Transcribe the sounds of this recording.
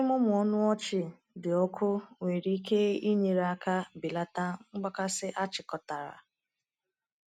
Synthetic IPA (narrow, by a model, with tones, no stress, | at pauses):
mʊ˦mʊ˨ɔ˦nʊ˦ɔ˦t͡ʃɪ˨ | dɪ˨ɔ˦kʰʊ˦ŋʷe˨ɾi˦i˦ke˦i˦ɲe˨ɾa˦ka˦bɪ˨la˦ta˦ŋ͡m̩˦ɡ͡ba˦ka˦sɪ˦ʔa˦t͡ʃɪ˨kɔ˨ta˨ɾa̰˨